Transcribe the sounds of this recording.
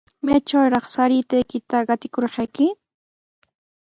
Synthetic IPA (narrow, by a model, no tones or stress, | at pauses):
majt͡ʃawɾɑχsaɾɪt̪ajkɪt̪aɢɑt̪ɪkoɾɢɑjkɪ